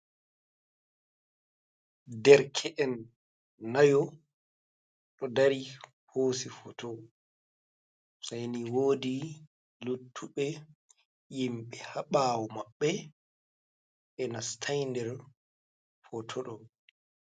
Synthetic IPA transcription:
dɛɾkʰɛʔɛnː | ajɔ | ɗɔdaɾi | hoːsifɔtʰɔ | sajniwoːdi | lutʰːuɓɛ | jimɓɛhaɓaːwɔmaɓːɛ | ɛnastʰajndɛɾ | fɔtʰɔɗɔ

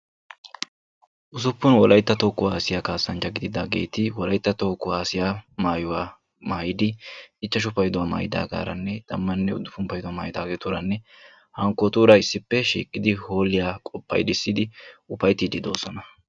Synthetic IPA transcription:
ʔʊsʊpːʊnwɔlʔɐjt̪ːɐt̪oːkːʊaːsɪjaːkaːsːɐnt͡ʃɐɡɪd̪ɪd̪aːɡe̞̰ːt̪ɪwɔlɐjt̪ːɐt̪okːʊaːsɪjaːmaːjʊwaː | maːjɪd̪ɪɪt͡ʃːɐʃ̬ʊfɐjd̪ʊwaːma̰ːjɪd̪a̰ːɡa̰ːɾɐ̰nːɛd̪̥ɐmːɐnːɛʊ̰d̪ːʊfʊmpɐjd̪ʊwaːmaːjɪd̪aːɡɛt̪ʊɾɐnːɛ | hɐŋkːɔt̪uːɾɐɪsːɪpːɛʃḭːkʼːɪd̪ɪhoːlɪjaːkʼɔpːɐ̰jd̪ɪsːɪd̪ɪʊpɐjt̪iːd̪ɪd̪o̞̰ːsɔnɐ

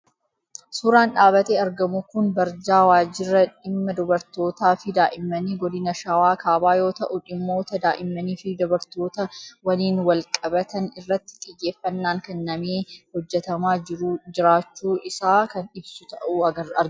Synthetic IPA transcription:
sʊːɾaːnᶑaːbɐt̪eːɐɾɡɐmʊkʊnbɐɾd͡ʒaːwaːd͡ʒɪrːɐᶑɪmːɐd̪ʊbɐɾt̪o̞ːt̪aːfɪd̪aːʔɪmːɐniːɡɔd̪ɪnɐʃɐwaːkaːbaːjo̞ːt̪ɐʔʊᶑɪmːo̞ːt̪ɐd̪aːʔɪmːɐniːfɪd̪ɔbɐɾt̪o̞ːt̪ɐwɐliːnwɐlkʼɐbɐt̪ɐnɪrːɐt̪ːɪ̥kʼɪjːeːfːɐnːaːŋkɛnːɐmeːhɔd͡ʒːɛt̪ɐmaːd͡ʒɪɾud͡ʒɪɾaːt͡ʃːuːʔɪsaːkɐnɪbsʊt̪ɐʔuːɐɡɐɐɾ

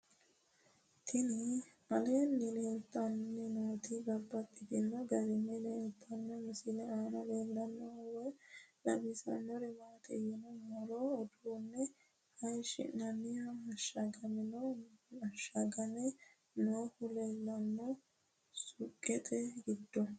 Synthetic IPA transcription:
t̪ʰɪnɛ | ɐleːnːɪleːlt̪ːɐnːɛnoːt̪ɪbɐbːɐt̪ʼːɪd̪ɪnːɔɡɐɾɪmɛleːlt̪ʰːɐnːɔmɪsɪlɛaːnɐleːlːɐnːɔɐwɛlɐbɪsɐ̰nɔɾɛmaːt̪ʼɛ̰jɪnɔmɐɾɔɔd̪uːnːɛ | hɐjʃɪ̰nːɐnːɪɐɐʃɐɡɐmɪnɔɐʃɐɡɐnɛ | noːhʊlelːɐnːɔ | sʊkʼːɛt̪ʼɛɡɪd̪ːɔ

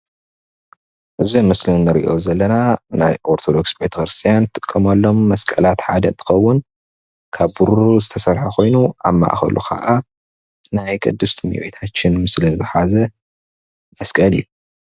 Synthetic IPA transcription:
ʔɨzimɨslinːɨɾḭʔo̞̰zɐlːɐnana̰jʔo̞ɾt̪ʰod̪o̞ksbet̪ʰɐkɾɨst̪ʰijant̪ʰʼɨ̥kʼːɐmɐlːo̞mːɐskʼɐlat̪ħad̪ɐɨnt̪ʰɨ̥xɐwːʊn | kʰaβuɾuzɨt̪ʰɐsɐɾħɐkʰo̞jnuʔa̰ma̰ʔxɐ̰lṵkʰa̰ʔa | najkʼɨd̪ːɨst̪ʰmḭwo̰jt̪ʰat͡ʃːɪnmɨslɨzɨħazɐ | mɐskʼɐliju

